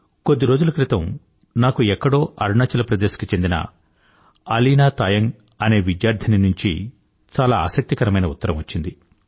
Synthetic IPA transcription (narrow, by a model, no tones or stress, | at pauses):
ko̞d̪ːiɾo̞ːd͡ʒulɐkɾit̪ɐm | naːkuɛkːɐɽo̞ːʔɐɾɳaːt͡ʃɐlɐpɾɐd̪eːsɐ̥kit͡ʃe̞nd̪inɐ̰ | ɐliːnaːt̪aːjɐŋ | ɐne̞ːʋid̪jaːɾd̪ʱɐninuɲt͡ʃḭ | t͡ʃaːlaːa̰ːsɐk̚t̪ikɐɾɐmɐjnɐut̪ːɐɾɐmʋɐt͡ʃːind̪i